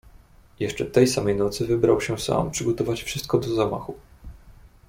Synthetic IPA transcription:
jɛʂt͡ʂɛt̪ɛjsamɛjnɔt̪sɘvɘbɾawɕɛsa̰mpʂɘɡɔt̪ɔvat͡ɕfʂɘst̪̚kɔd̪ɔzama̰xu

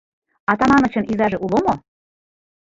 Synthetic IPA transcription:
ɑt̪ɑmɑnɤ̆t͡ɕɤ̆nizɑʒeʔulomo

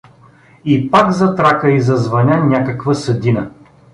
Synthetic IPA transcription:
ipakzɐt̪ɾakəizɐzvɐnʲanʲakəkvəsɐd̪inə

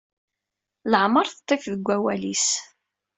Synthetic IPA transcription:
ləʕməɾθət̪ˤːefðəɡʷːæwælis

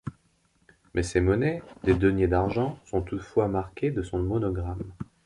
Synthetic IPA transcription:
mɛsemɔnɛd̪ed̪ənjed̪aʁʒɑ̃sɔ̃t̪ut̪fwamaʁkʲed̪əsɔ̃mɔnɔɡʁam

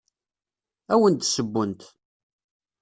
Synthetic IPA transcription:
æwənt̪səbːʊnt̪

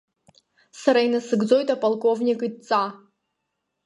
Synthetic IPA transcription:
saɾajnasɨɡd͡zojt̪ʼapalˠkʼo̞vnʲikʼɨt͡sʼa

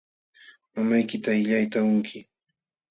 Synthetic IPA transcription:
mamajkɪt̪aɪʎajt̪aʊŋkʰɪ

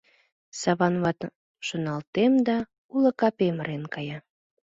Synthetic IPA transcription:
sɑβɑnβɑt̪ | ʃonɑlt̪emd̪ɑ | ulə̆kɑpemɾenkɑjɑ

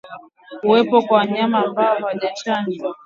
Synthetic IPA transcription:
kuwɛpɔkwawaɲamaːmbaɔwaʄat͡ʃand͡ʒwa

